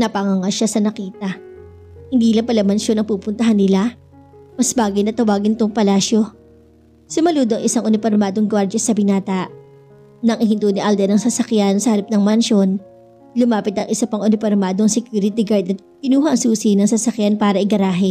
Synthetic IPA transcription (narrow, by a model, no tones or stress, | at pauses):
nɐpɐŋɐŋɐʃasɐnɐkiːt̪ɐ | hɪnd̪iːlɐŋpɐlɐmɐnʃo̞nɐŋpuːpʊnt̪ɐɦanːɪla | mɐsbaːɡɪjnɐt̪ɐwaːɡɪnt̪oŋpɐlaːʃjo | sʊmɐluːd̪oɐŋʔɪsaŋʔʊnɪfoɾmaːd̪oŋɡwaɾd͡ʒɐsɐbɪnaːt̪ɐʔ | nɐŋʔɪhɪnt̪uːnɪʔɐld̪ɛɾnɐŋsɐsɐkjansɐhɐɾɐp̚nɐŋmɐnʃo̞n | lʊmaːpɪt̪ɐŋʔɪsɐpɐŋʔʊnɪfoɾmaːd̪oŋsɛkjuːɾɪt̪ɪɡaɹd̪ɐt̪̚pɪnuːɦɐʔɐŋsuːsɪnɐŋsɐsɐkjanpaːɾɐʔɪɡɐɾaːɦɪ